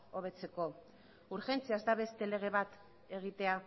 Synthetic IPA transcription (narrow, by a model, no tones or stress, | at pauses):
o̞β̞e̞t͡se̞ko̞ | uɾxe̞nt͡siazd̪aβe̞st̪e̞le̞ɣ̞eβat̪ | e̞ɣ̞it̪e̞a